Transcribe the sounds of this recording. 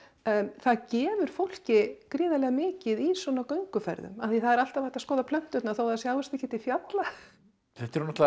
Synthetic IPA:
θaðcɛːvʏɾ̥fowl̥cɪkɾiːðalɛɣamɪːcɪðiswɔnakœɥŋkʏfɛ̰ɾðʏ̰maθiθaðɛɾal̥t̪avaht̪askɔːðapʰlœn̥t̪ʏt̪naθowθaðsjaːwvɛst̪ɛhcːɪht̪ɪfjat̪la | θɛht̪ɛɾnat̪l

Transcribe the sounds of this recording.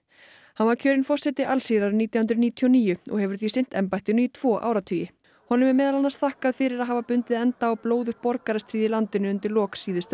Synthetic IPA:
hanvaɾcʰœːɾɪnfɔr̥sɛt̪ɪʔalsiːɾaɾʏniːt̪jawhʏnt̪ɾniːt̪ʰijɔniːjʏɔ̰ɣhɛvʏɾ̥θisɪn̥t̪ɛmpajht̪ɪnʏit̪ʰv̥ɔːʔa̰ːwɾat̪ʰʏːjɪ | hɔnʏmɛɾmɛːðalalnast̪θahkaðfɪɾɪɾaðɦaːvapʏnt̪ɪðɛnt̪aɔwploːwðʏxt̪̚pɔɾkaɾast̪ʰɾiːðɪlant̪ɪnʏʏnt̪ɪɾlɔːksiːðʏst̪

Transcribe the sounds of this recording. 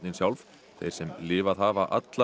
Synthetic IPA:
nɪnsjawlv | θḛjɾ̥sɛmlɪːvaðɦaːvaʔa̰t̪la

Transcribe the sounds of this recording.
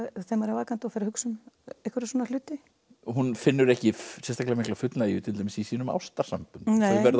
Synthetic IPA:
θɛmːaɾɛvaːkant̪ɔfɛɾɪɾhʏksʏmehkvʏɾsɔnal̥ʏːt̪ɪ | ɦunfɪnːʏɾɛhcɪsɛnst̪aklamɪhklafʏt̪lajʏt̪ʰɪlt̪aːmɪsisiːnʏma̰wst̪aɾ̥sampʏnt̪nːvɛɾð

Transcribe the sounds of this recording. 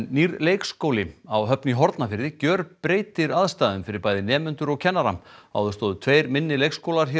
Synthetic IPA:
nːiɾlejkskoːwlɪawɦœpniɦɔɾt̪nafɪɾɪcœːɾpɾeːjt̪ɪɾaðst̪aːðʏmfɪɾɪɾpaːjðɪnɛːmʏnt̪ʏɾɔɣcʰɛnːaɾama̰wðʏst̪ɔːðʏt̪ʰveːjɾmɪnːɪlejkskowlaɾ̥çɛ

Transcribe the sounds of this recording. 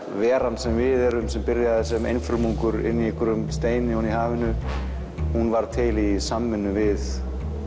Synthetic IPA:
vɛːɾansɛmvɪðɛɾʏmsɛmpɪɾjaðɛsɛmḛjnfɪlmuŋkʏɾɪ̰nːiɛhkʏɾʏmst̪eːjnɪuniɦaːvɪnʏ | hunvaɾ̥t̪ʰɪlisamːɪnːʏvɪð

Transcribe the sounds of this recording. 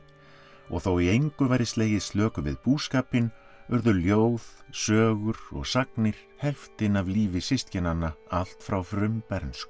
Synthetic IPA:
ɔ̰ɣθowiejŋkʏvajɾɪst̪eːjɪst̪lœːkʏvɪ̰ðpuːskaːpɪn | ʏɾðʏljoːwðsœːɣʏɾɔ̰ɣsaknɪɾ̥ | hɛlft̪ɪnavliːvɪsɪst̪cɪnanːaal̥t̪fɾawfɾʏmpɛɾnsk

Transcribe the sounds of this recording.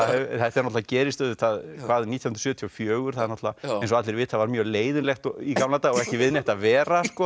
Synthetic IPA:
θɛht̪ɛɾnɔt̪lvacɛːɾɪst̪œːðʏθaðkʰvaːðnit̪jahʏnɾ̥sʏːt̪ʰjɔfjœːɣʏɾ̥θaðɾnɔt̪lvaɛjnsɔat̪lɪɾvɪːt̪θaðvaɾmjœːleːjðɪnlɛxt̪ɔikamlant̪aɣɔɣɛhcɪvɪðnɛht̪avɛːɾaskɔ

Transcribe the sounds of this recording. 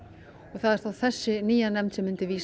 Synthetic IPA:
ɔɣθaðɛɾ̥t̪aðθɛsːɪniːjanɛmnt̪sɛmːʏnt̪ɪviːs

